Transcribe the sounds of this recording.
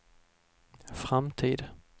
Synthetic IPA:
fɾamt̪ʰiːd̪

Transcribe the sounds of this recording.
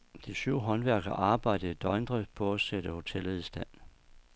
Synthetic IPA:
d̥isyʊ̰ɦɒ̽nʋæɐ̰ɡ̥ɐʔɑ̈ːb̥ɑ̈ɪ̰d̥ð̩ˠid̥ɒɪnd̥ʁi̥pʰɒæsed̥əho̝t͡sʰel̰ð̩ˠisd̥æn̰

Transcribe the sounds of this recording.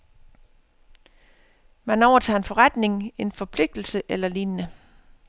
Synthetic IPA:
mænɒʊɐt͡sʰɑ̰̈ːe̝nfɒ̽ʁad̥ne̝ŋe̝nfɒ̽pʰle̝ɡ̥̚d̥l̩səʔelɐliːnnə

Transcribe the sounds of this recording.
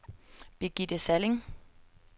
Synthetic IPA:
b̥iɡ̥idəsælɪŋ

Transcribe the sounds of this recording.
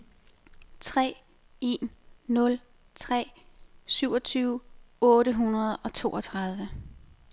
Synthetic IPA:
t͡sʰʁɛ̰ː | e̝nːɔ̽l | t͡sʰʁɛ̰ːsyʊ̰ɒt͡sʰyːʊɔ̽ːɾəɦunɐð̞ˠɒ̽t͡sʰo̝̰ːɒ̽t͡sʰʁɑ̈ð̞ˠʋə

